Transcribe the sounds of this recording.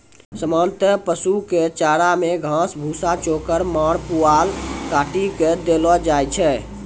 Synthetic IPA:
səmɔnt̪əpəsuket͡ʃaɽameɡʱãsbʱusat͡ʃokəɾmaɽpualkaʈiked̪elɔd͡ʒajt͡ʃʰɛ

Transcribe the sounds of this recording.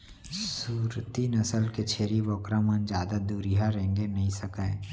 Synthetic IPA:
suːɾt̪inɐsəlket͡ʃʰeːɾibɔːkɾamənd͡ʒjaːd̪ad̪uːɾiɦaɾẽːŋɡenɐɦĩsɐkə̃ː

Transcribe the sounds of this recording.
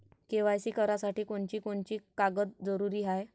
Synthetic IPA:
keʋajsiːkəɾasaʈiːkoɳt͡ɕiːkoɳt͡ɕiːkaɡət̪̚d͡zəɾuɾiːɦaj

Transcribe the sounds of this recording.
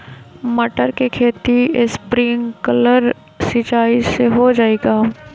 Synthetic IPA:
mɐʈəɾkekʰeːt̪ispɾɪ̃ŋɡkələɾ | sɪt͡ʃaːiseɦod͡ʒaːeːɡaː

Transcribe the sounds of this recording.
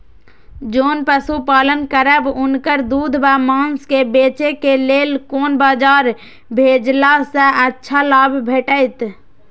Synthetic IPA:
d͡ʒoːnpəsupaːlənkəɾəbʊnkəɾd̪uːd̪ʱbamãːnskebeːt͡ʃekeleːlkoːnbaːd͡ʒaːɾ | bʱeːd͡ʒlasẽʔətːʃʰalaːbʱbʱeːʈəɪt̪

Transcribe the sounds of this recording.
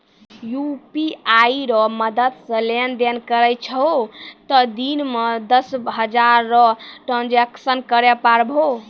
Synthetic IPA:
jupiaiɾʌməd̪ət̪sʌ̃lend̪enkəɾəjt͡ʃʰʌot̪ʌd̪inmʌd̪ʌsɦʌd͡ʒaɾːʌʈɾand͡ʒeksənkəɾepaɾbʱo

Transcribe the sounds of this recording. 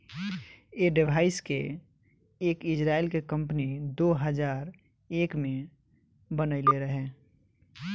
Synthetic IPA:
eːɖɪbʱaːɪskḛ | eːkɪd͡ʒɾaːɪlkekə̃mpnid̪oːɦəd͡ʒaːɾ | eːkmẽ | bənəɪleɾəɦeː

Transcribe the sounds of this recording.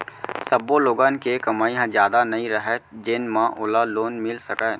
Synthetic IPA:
sɐboloːɡãːnkekɐmaːiɦãzjaːd̪anɐɦĩɾəɦɛd͡ʒɪnmãʔʊlaloːnmɪlsɐkɛ̃ː

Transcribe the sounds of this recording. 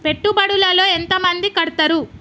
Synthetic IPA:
pe̞ʈːubɐɽulɐlo̞ːent̪ɐmɐnd̪ikɐɽut̪ɐɾu

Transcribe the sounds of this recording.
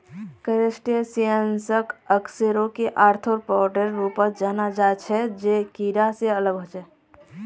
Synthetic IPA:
kəɾesʈiəsiə̃nsəkəkseɾõkeʔaːɾt̪ʰoɾpɔːʈəɾːuːpəd͡ʒaːnad͡ʒat͡ʃʰɛd͡ʒekiːɾaseələɡɦot͡ʃɛ

